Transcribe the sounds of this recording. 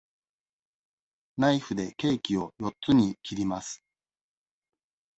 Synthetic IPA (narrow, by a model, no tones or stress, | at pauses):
naiɸɯ̟d̪e̞ke̞ːkʲio̞jo̞t̪t͡sɨɲ̟ikʲiɾʲimasɨ̥